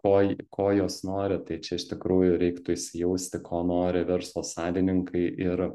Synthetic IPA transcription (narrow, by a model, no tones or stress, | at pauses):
koːkʰoːjoːsnoːɾʲɪt̪ɐɪt͡ʃʲɛɪʃt̪ʲɪkɾuːjʊɾʲɛɪkt̪ʊɪʃʲsʲɪjɛʊsʲt̪ʲɪkʰoːnoːɾʲɪʋʲɛɾslˠoːsɑːlʲɪnʲɪŋkʰɐɪʔɪɾ